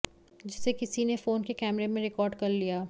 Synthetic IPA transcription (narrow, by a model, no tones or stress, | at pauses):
d͡ʒɪsekɪsinefoːnkekɛːmɾemẽɾɪkɔːɾɖkɐɾlijaː